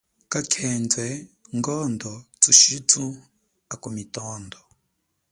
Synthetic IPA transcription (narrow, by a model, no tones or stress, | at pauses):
kakʰeːnzɛŋɡɔndɔt͡suʃit͡su | akumitɔːndɔ